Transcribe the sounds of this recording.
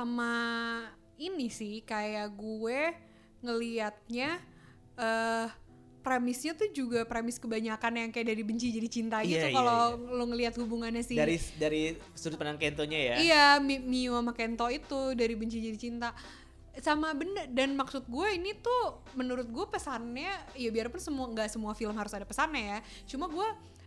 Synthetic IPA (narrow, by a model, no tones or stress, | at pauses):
ama | inisɪhkajaʔɡuɛ | ŋəliat̪̚ɲa | ʔə | pɾemɪsɲat̪ud͡ʒuɡapɾemɪskəbaɲakanjaŋkajaʔdaɾibəɲt͡ʃid͡ʒadit͡ʃint̪aɡit̪ukaloloŋəliat̪̚hubuŋanɲasɪaɾidaɾi | suɾʊt̪̚pənaŋkɛnt̪oɲajaijamimiwamakent̪oit̪udaɾibəɲt͡ʃid͡ʒadit͡ʃint̪a | samabənərdanmaksʊt̪̚ɡuainit̪u | mənuɾʊt̪̚ɡuapəsanɲaijabiarpʊnsəmuaŋɡaʔsəmuafiləmɦaɾʊsadapəsanaja | t͡ʃumaɡua